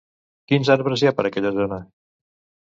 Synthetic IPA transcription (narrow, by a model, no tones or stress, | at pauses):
kinzaɾβɾəziapəɾəkɛʎəzonə